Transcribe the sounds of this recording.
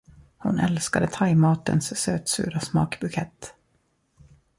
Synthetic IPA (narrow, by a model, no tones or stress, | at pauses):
hʊnʔɛlskad̪ət̪ʰajmɑːt̪ə̰nssøːt̪sʉ̟ːɾasmɑ̰ːkbɵkʰɛt̪ː